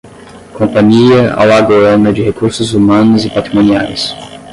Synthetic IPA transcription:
kõpɐ̃ɲiɐa̰waɡoɾɐ̃nɐd͡ʒɪhekuɾsʊzumɐ̃nʊzɪpat̪ɾimõnia̰js

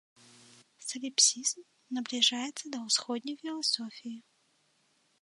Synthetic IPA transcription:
səlʲɪpsʲizm | nəblʲɪʐajɪt̪səd̪ɐʊsxodʲnʲəjfʲɪlˠɐsofʲɪɪ

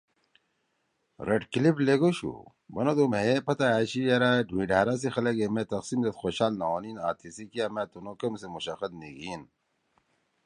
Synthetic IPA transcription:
ɾʔeʈkilipleɡoɕṵ | bɐnod̪omeepɐt̪aaːɕijɐɾaɖʱuĩɖʱaːɾas̬ixɐlɐɡemet̪ɐqsimd̪ɐt̪xoːɕaːlnaoːniːna̰ːt̪ʰisikijameːt̪unokɐmsemuɕɐxɐd̪̚niɡiːn

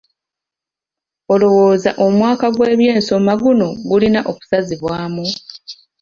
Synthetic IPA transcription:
o̞lo̞wo̞ːzaʔo̞mwaːkaɡwe̞ːβje̞ːnso̞maɡuno̞ɡulinaʔoku̥saziβwaːmu

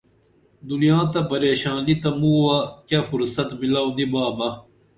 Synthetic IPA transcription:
d̪ulijãːt̪ɐpɐɾeːɕaːnit̪ɐmuːwakɐfuɾsɐt̪milaːwnd̪ibaːbɐ

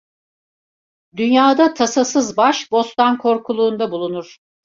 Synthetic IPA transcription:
d̪ynjaːd̪at̪ʰasasɯzbaʃbo̞st̪ankʰo̞ɾkʰulˠuːnd̪abulˠunuɾ̥

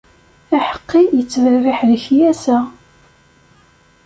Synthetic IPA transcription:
æħə̥qːijət͡sːvərːɪħləçjæsə

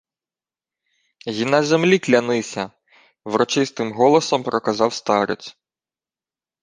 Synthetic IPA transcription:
jʲinɑzemlʲiklʲɐnɪsʲɐ | wɾɔt͡ʃɪst̪ɪmɦɔlˠɔsɔmpɾɔkɐzɑwst̪ɑɾet͡sʲ

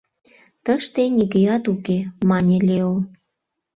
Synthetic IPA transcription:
t̪əʃt̪enʲiɣejɑt̪ukemɑnʲelʲeo

